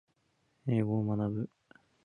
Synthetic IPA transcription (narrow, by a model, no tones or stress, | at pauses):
eːɡoːmanabɯ̟